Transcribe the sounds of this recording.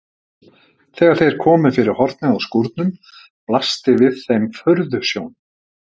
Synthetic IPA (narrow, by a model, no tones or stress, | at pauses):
θɛːɣaɾ̥θejɾ̥kʰɔːmʏfɪɾɪɾ̥hɔɾt̪̚nɪawskuɾt̪̚nʏm | plast̪ɪvɪðθejmfœɾðʏsjown